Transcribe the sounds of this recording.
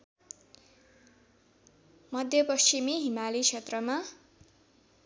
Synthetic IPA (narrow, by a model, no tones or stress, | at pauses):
mʌd̪ʱjʌpʌst͡ɕimiɦimalit͡sʰet̪rʌma